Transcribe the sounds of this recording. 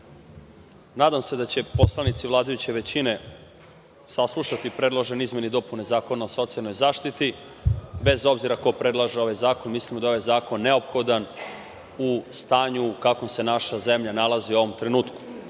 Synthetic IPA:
naːd̪amse̞d̪at͡ɕe̞po̞slˠanit̪siʋlˠaːd̪ajut͡ɕe̞ʋe̞t͡ɕine̞ | saslˠuʃat̪ipɾe̞d̪lˠaʒenizme̞nid̪o̞punezaːko̞naoso̞t̪sialˠnojzaːʃt̪it̪i | be̞zo̞bziɾako̞pɾe̞d̪lˠaʒeo̞ʋajzaːko̞nmislimod̪ao̞ʋajzaːko̞nːe̞o̞pxo̞d̪an | ust̪aːɲukakomse̞naʃaze̞mʎanalˠaziuo̞ʋo̞mt̪ɾe̞nuːt̪ku̥

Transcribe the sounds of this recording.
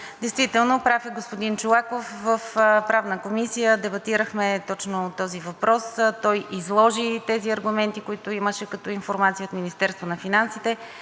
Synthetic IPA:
d̪ɛjst̪vit̪ɛlˠnopɾafɛɡospod̪int͡ʃʊlˠakofvəfpɾavnəkomisijəd̪ɛbɐt̪iɾəxmɛt̪ɔt͡ʃnot̪ɔzivɐpɾɔst̪ɔjʔizlˠɔʒit̪ɛziɐɾɡʊmɛnt̪ikʊit̪ʊiməʃɛkɐt̪ɔinfoɾmat̪sijəot̪minist̪ɛɾst̪vonɐfinansit̪ɛ

